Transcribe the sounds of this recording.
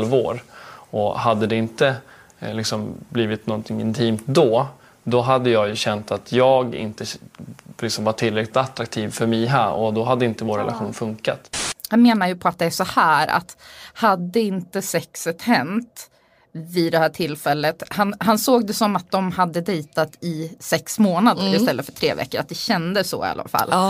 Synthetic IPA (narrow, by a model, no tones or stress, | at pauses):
lvoːɾɔhad̪ːəd̪ɛɪnt̪ə | lɪksɔmbliːvɪt̪nɔnt̪ʰɪŋɪ̰nt̪ʰiːmt̪d̪ɔ | d̪ɔɦad̪ːəjɑːjɵɕɛnt̪at̪ʰjɑːɡɪ̰nt̪ə | lɪksɔmvaʈʰːɪlːɾɛklɪt̪at̪ɾak̚t̪ʰiːvfœɾmɛjɦæɾɔ̰d̪ɔɦad̪ːəɪnt̪əvoːɾɛ̰la̰ɧuːnfɵŋka̰t̪hanmeːnajɵpʰɔat̪̚d̪ɛæʂɔhæːɾa̰t̪had̪ːəɪnt̪əsɛksɛt̪hɛnt̪ | vɪd̪ɛhæːʈʰɪlːfɛlːət̪hanɦansoːɡ̚d̪ɛsɔmat̪̚d̪ɔmhad̪ːəd̪ɛjt̪at̪ʰɪsɛksmoːnad̪əɾɪst̪ɛlːəfœʈʰɾḛːvɛ̰kːəɾat̪̚d̪ɛɕɛnd̪əsɔ̰ɪ̰a̰lːa̰fa̰lː